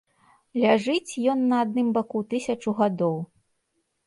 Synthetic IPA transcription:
lʲaʐɨt͡sʲjɔnːɐːd̪̚nɨmbakut̪ɨsʲɐt͡ʂuɣad̪ɔw

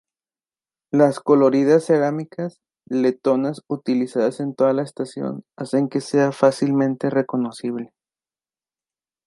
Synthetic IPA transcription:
lasko̞lo̞ɾiðasːe̞ɾamikʰas | le̞t̪o̞nasut̪ilisaðase̞nt̪o̞ðalaest̪asjo̞̰nase̞ŋke̞se̞afasilmẽ̞nt̪ere̞ko̞no̞siβle̞

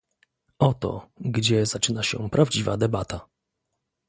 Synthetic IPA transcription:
ɔt̪ɔ̰ɡd͡ʑɛzat͡ʂɘnaɕɛ̰pɾʔavd͡ʑivad̪ɛbat̪a

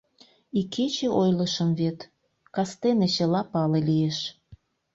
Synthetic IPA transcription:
ikʰet͡ɕeʔojləʃəmvet̪ | kɑst̪enet͡ɕəlɑpɑlelieʃ

